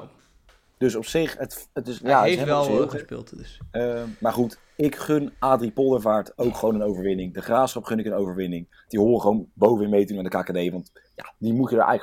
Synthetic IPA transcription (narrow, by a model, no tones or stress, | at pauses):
d̥ɵsɔpsɪχətətɪsjaəɪsɦelospɪ̰lˠtd | maːɹχut | ɪkχønʔaːdripɔlˠəɹvaːɹtowkχʋownənowvəɹʋɪnɪŋdəχraːfsχɑpχɵnɪkənowvəɹʋɪnɪŋ | d̥iɦoːrəχʋownbowvəɪmejtdunandəkaːkadejʋɑnt | ja̰dimutədəɹʔjə